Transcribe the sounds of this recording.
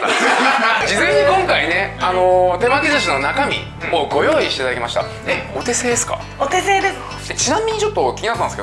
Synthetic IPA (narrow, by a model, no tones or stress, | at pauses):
d͡ʑizẽ̞ɲ̟ːikõ̞ŋkaine̞ano̞t̪e̞maɡʲizɨɕino̞nakamʲḭ | moːɡo̞jo̞ːiɕi̥t̪et̪ad̪akemaɕi̥t̪a̰ | eo̞t̪e̞se̞ːd̪e̞sɨ̥ka̰ | ot̪eseːd̪esat͡ɕinãmʲiɲ̟it͡ɕo̞t̪ːo̞kʲiɲinat̪ːãneske